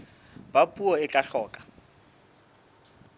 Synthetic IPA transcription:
bapʼuɔɪkʼaɬɔːkʼḁ

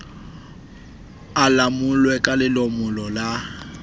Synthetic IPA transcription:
alamʊlwɛkʼalɪlɔmʊlɔla

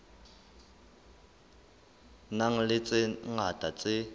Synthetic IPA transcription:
naŋ̩lɪt͡sʼɪŋatʼat͡sʼɪ

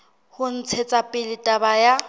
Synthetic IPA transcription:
hʊn̩t͡sʰet͡sʼapʼɪlɪtʼabaja

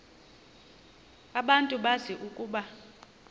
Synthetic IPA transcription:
aɓantʼuɓaziʔukʼuːɓa

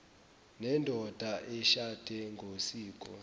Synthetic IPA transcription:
nɛndʱɔd̥ʱaʔɛʃad̥ʱɛŋɡʱosiːkʼɔ̰

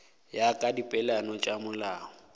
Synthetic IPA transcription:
jakʼadipʼɛlanɔt͡ʃʼamʊlaːŋɔ

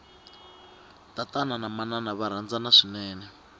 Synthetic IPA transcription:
tatananamananaβaɾ̤and͡zanaʂinɛːnɛ

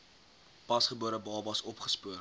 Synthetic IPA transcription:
pɐsχəbuəɾəbɑːbɐsɔpχə̥spuər

